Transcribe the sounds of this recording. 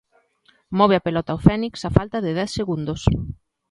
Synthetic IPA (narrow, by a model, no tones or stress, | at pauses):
mɔβeɐpelɔt̪awfɛniksafalt̪ɐðɪðɛθseɣund̪os